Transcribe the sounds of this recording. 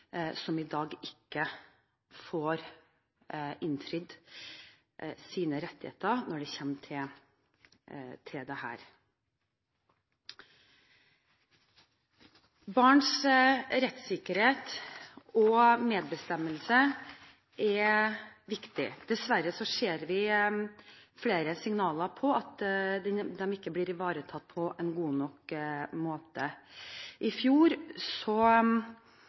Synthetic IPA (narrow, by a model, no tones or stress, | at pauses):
sɔmɪd̪ɑːɡɪkːə | foːɾ | ɪnt̪ʰɾʏd̪ | siːnəɾɛt̪ːɪhḛːt̪əɾnɔɖɛçɛmːt̪ʰɪl | t̪ʰɪld̪ɛhæ̰ːɾ | bɑːɳʂɾɛt̪sɪkəɾheːt̪ | ɔmeːd̪̚bəst̪ɛməlsə | ʔɛ | ʋɪkt̪ɪ̰d̪̥ɛsʋæɾəsɔʂeːɾʋɪ | fleːɾəsɪŋnɑːləɾpʰɔɑt̪d̪ɛd̪ɛmɪkːəbliːɾɪʋɑːɾət̪ʰɑt̪̚ːpʰɔʔɛnɡuːnɔkmoːt̪ə | ʔɪfjuːɾsɔ